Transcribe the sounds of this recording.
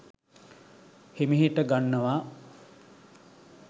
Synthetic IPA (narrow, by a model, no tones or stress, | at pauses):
himiɦiʈəɡanːəʋaː